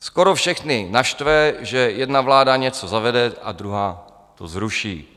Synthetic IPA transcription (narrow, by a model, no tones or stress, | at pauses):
skoɾofʃɛxnɪnaʃt̪vɛʒɛjɛdnavlaːdaɲɛt͡sozavɛdɛʔa̰d̪ɾuɦaː | t̪ozɾuʃḭː